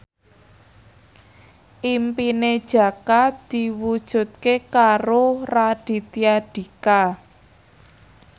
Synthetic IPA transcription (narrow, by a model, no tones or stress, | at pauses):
ʔimpined̥ʒ̥ä̤kad̪̥iwud̥ʒ̥ṳt̪̚kekaɾoraɖ̥i̤t̪iaɖ̥i̤ka